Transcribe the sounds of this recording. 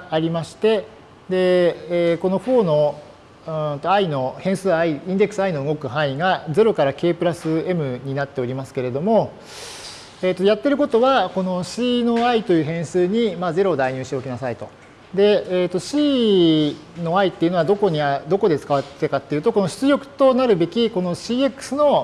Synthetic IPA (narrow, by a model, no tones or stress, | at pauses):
aɾʲimaɕi̥t̪e̞ | d̪e̞ː | ko̞no̞ɸo̞ːno̞ | ɯt̪o̞aino̞hẽ̞ɰ̃sɨːaiĩnd̪e̞kɯ̥sɨaino̞ɯ̟ɡo̞kɯ̟ɦãiɡad͡ze̞ɾo̞kaɾake̞ːpɯ̟ɾasɨe̞mɯ̟ɲ̟inat̪ːe̞o̞ɾʲimasɨ̥ke̞ɾe̞d̪o̞mo̞ | eːt̪ːo̞jat̪ːe̞ɾɯ̟ko̞t̪o̞βako̞no̞ɕiːno̞ait̪o̞jɯ̟ːɦẽ̞ɰ̃sɨːɲ̟imaːze̞ɾo̞d̪aiɲ̟ɨːɕit̪eokʲinasait̪o̞ | d̪e̞ːt̪ːo̞ɕiː | no̞ait̪ːe̞iɯ̟no̞ad̪o̞ko̞ɲ̟iad̪o̞ko̞d̪e̞t͡sɨ̥kaβat̪et̪ekat̪ːeiɯ̟ːt̪o̞ko̞noɕɨ̥t͡sɨɡʲo̞kɯ̟̥t̪o̞naɾɯ̟be̞kʲiko̞no̞ɕiːe̞kːɯ̥sɨno̞